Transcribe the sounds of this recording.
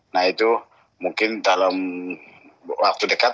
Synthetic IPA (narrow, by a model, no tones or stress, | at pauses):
nahit̪u | muŋkɪndalam | wak̚t̪udəkat̪